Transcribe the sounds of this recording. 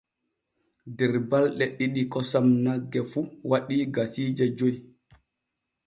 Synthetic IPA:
dɛɾbalɗɛɗiɗikɔsamnaɡːɛfuwaɗiːɡasiːd͡ʒad͡ʒoj

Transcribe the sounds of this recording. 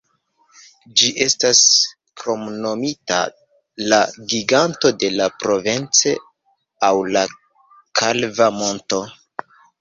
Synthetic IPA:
d͡ʒiʔe̞stas | kɾo̞mno̞mita̰ | laɡiɡanto̞de̞lapɾo̞vent͡se | awla | kʰalvamo̞nto̞

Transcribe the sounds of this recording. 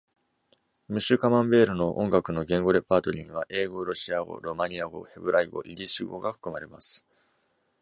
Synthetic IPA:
mɯ̟ɕɨkamãmbe̞ːɾɯ̟no̞ʔõ̞ŋɡakɯ̟no̞ɡẽ̞ŋɡo̞ɾe̞paːt̪o̞ɾʲĩŋɡɯ̟β̞aʔe̞ːɡo̞ɾo̞ɕiaɡo̞̰ɾo̞maɲ̟iaɡo̞̰he̞bɯ̟ɾaiɡo̞̰ʔiɾʲiɕiɡo̞̰ɡaɸɯ̟̥kɯ̟maɾe̞masɨ̥

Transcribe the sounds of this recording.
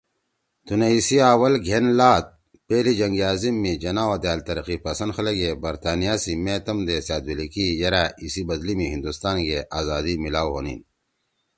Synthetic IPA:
t̪uneisiaːwɐlɡʱenlaːt̪̚ | peːlid͡ʑɐŋɡiaːzimːĩd͡ʑɐnaːod̪jaːlt̪ɐɾɐqipɐsɐnxɐleɡebɐɾt̪aːnijasimẽːt̪ɐmd̪esaːd̪wilikijɐɾaisibɐd̪limiɦĩnd̪ust̪aːnɡeʔaːzaːd̪imilaːwɦo̰ːnḭːn

